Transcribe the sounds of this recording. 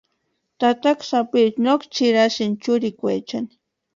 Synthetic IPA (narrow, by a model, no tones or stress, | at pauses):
t̪at̪aksapitnokt͡ʃɪɾaʃɪnt͡ʃʊɾɪkwet͡ʃan